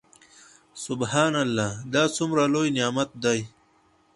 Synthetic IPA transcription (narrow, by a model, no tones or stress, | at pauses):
sʊbɦaːnalːaːd̪aːt͡sumɾaloːjnjaːmɐt̪̚d̪aj